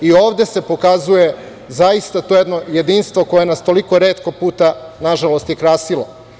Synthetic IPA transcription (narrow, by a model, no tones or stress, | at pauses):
io̞ːʋd̪e̞se̞po̞kazuje̞ | zaist̪at̪ojed̪no̞je̞d̪inst̪ʋo̞ko̞jenast̪o̞liko̞ɾe̞ːt̪ko̞puːt̪anaʒalo̞st̪jekɾaːsilo̞̰